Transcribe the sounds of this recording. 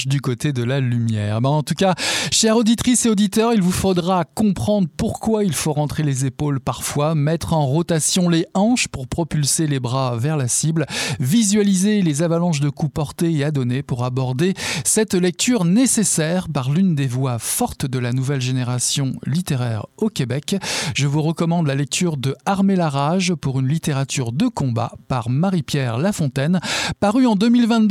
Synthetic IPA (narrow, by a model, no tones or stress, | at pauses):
d̪ykot̪ed̪əlalymjɛ̰ːʁbaɑ̃t̪ukaʃɛʁod̪it̪χiseod̪it̪œʁilvufod̪ʁakɔ̃pχɑ̃d̪ʁpuʁkwailfoʁɑ̃t̪χelezepolpaʁfwamɛt̪χɑ̃ʁɔt̪asjɔ̃leɑ̃ʃpuʁpχɔpylselebʁavɛʁlasiblvizɥalizelezavalɑ̃ʃd̪əkupɔʁt̪eːad̪ɔnepuʁabɔʁd̪esɛt̪lɛk̚t̪ʰyʁnesesɛʁpaʁlynd̪evwafɔʁt̪d̪əlanuvɛlʒeneʁasjɔ̃lit̪eʁɛ̰ʁokʲebɛkʒəvuʁəkɔmɑ̃d̪lalɛk̚t̪ʰyʁd̪əaʁmelaʁaʒpuʁynlit̪eʁat̪ʰyʁd̪əkɔ̃ba̰paʁmaʁipjɛʁlafɔ̃t̪ɛnpaʁyɑ̃d̪əmilvɛ̃t̪̚d̪